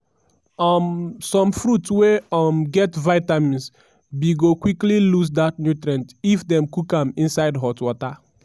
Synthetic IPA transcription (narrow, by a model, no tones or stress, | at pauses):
ɔmsɔ̃mfɹutsweɔmɡɛtvaɪtamĩns | biɡokwiklilus̬datnjutɾɛ̃ntifdɛ̃mkukãmĩnsaɪdɦɔtwɔta